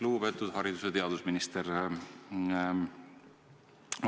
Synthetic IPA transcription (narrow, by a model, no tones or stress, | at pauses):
luːpe̞t̪ːˑud̪̥hɑɾid̪u̥set̪e̞ɑd̪̥usminist̪eɾ